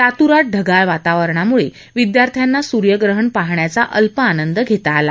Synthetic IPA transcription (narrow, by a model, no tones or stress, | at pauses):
t̪at̪uɾaʈ̚ɖʱəɡaɭʋat̪aʋəɾɳamuɭe | ʋid̪jaɾt̪ʰjanːasuɾjəɡɾəɦəɳpaɦɳjat͡saʔəlpəanənd̪əɡʱet̪aːla